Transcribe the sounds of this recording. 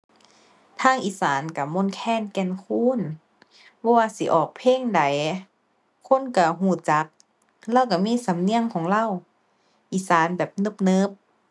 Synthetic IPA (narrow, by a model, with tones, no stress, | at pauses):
t̪ʰaː˧˥˩ŋʔiː˧˨˩saː˨˦nka˧˩mo˧˥˨nkʰɛː˧˥˨nkɛ˧˩˨nkʰuː˧˥˨n | bɔː˧˩waː˧si˨˦ʔɔː˨˩k̚pʰeː˧˥˨ŋda˨˦j | kʰo˧˥˨nka˧˩ɦuː˧˩t͡ɕa˨˦k̚ | lɛː˧˥˨wka˧˩miː˧˥˨sa˨˦mni˧˨əŋkʰɔː˨˦ŋla˧˨w | ʔiː˧˩saː˨˦nbɛː˨˩p̚nɤ˧˩p̚nɤ˧˦p̚